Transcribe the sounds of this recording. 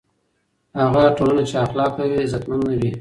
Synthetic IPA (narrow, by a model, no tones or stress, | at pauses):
haɣaʈolanat͡ʃeaxlɑkawizat̪manlaɾi